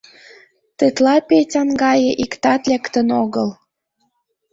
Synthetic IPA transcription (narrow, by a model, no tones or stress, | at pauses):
t̪et̪lɑpetʲɑnɡɑjeʔikt̪ɑt̪lekt̪ənoɣəl